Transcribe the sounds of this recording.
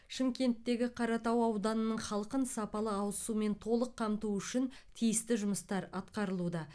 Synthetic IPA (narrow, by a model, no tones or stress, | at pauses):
ʃɪmkʲe̞nt̪ːe̞ɡʲɪqʰɑɾɑt̪ɑwɑwd̪ɑnənəɴχɑlˠqənsɑpɑlˠəɑwsume̞nt̪ʰo̞lˠəqʰːɑmt̪uʏʃɪnt̪ʰijɪst̪ɪʒʊməst̪ɑɾɑt̪qɑɾəlˠud̪ɑ